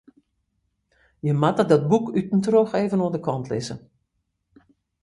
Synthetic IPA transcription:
jəmatədɔt̚bukytn̩troxeːvənoəndəkʰɔntʰlɪ̰zə̰

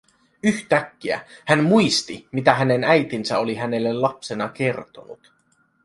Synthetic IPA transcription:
yçt̪ækːiæ̰hænmujst̪imit̪æɦæne̞næjt̪insæoliɦæne̞lːe̞llɑpse̞nɑke̞rt̪o̞̰nṵt̪

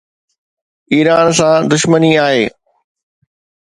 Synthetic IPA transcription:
iːɾaːnsãd̪ʊʃməniaːɦeː

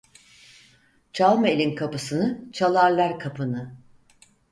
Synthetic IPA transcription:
t͡ʃʰalˠmelʲinkʰapɯsɯnɯt͡ʃʰalˠaɾlˠaɾkʰapʰɯnɯ

